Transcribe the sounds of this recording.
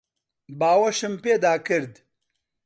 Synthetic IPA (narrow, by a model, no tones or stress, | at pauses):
baːwɐʃɨmpeːd̪aːkɨɾd̪